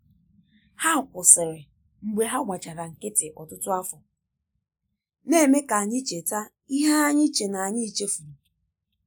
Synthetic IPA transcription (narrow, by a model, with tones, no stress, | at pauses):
ha˦˨kʷʊ˨sɪ˨ɾɪ˨ | ŋ͡m̩˨ɡ͡bʷe˨ɦa˦ŋʷa˨t͡ʃa˨ɾa˨ŋ̩˨kɪ˦tɪ˨ʔɔ˨tʊ˦tʊ˦a˦fʊ˨ | ne˦˨me˦ka˨a˨ɲɪ˦t͡ʃe˨ta˦ | i˦ɦa˦a˦ɲɪ˦t͡ʃe˨na˨a˨ɲɪ˦i˨t͡ʃe˦fu˨ɾu˨